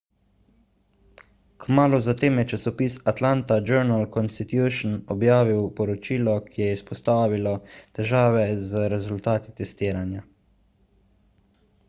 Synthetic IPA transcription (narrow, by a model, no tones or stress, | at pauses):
kmaːluzat̪eːmjɛt͡ʃasɔpiːsat̪laːnt̪ad͡ʒɛɾnalkɔnst̪it̪juʃnɔbjaːʋiwpɔɾɔt͡ʃiːlɔkʰijɛispɔst̪aːʋilɔt̪ɛʒaːʋɛzɾɛzult̪aːt̪it̪ɛst̪iːɾanja